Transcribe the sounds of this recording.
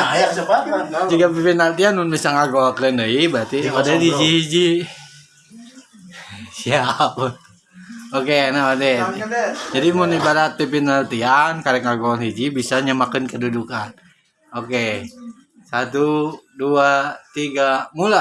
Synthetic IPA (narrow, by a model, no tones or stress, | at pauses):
d͡ʒiɡapipinalt̪ianmunbisaŋaɡoakəndəibat̪iodɛedid͡ʒihid͡ʒi | siap̚ | okenaadɛ | d͡ʒadimunibadat̪̚pipinalt̪iankaɾɛkaɡoanhid͡ʒibisaɲamakənkədudukan | oke | sat̪uduat̪iɡamula